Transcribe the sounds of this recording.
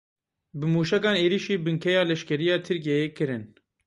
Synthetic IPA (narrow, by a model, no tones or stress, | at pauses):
bɨmuːʃɛkɑːneːɾiʃiːbɨŋkʰɛjɑːlɛʃkɛɾijɑːt̪ʰɨɾk̬iɛjeːkɨɾɨn